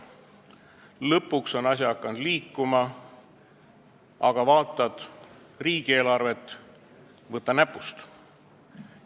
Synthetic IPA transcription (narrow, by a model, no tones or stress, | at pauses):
lɤpːˑukso̞nɑs̬ʲjɑɑkːˑɑnd̪liːkːˑumɑ | ʔɑɡ̥ɑvɑːt̪ːˑɑd̪̥ | riːɡ̥ie̞ːlɑrve̞t̪ːˑ | vɤt̪ːˑɑnæpˑːust̪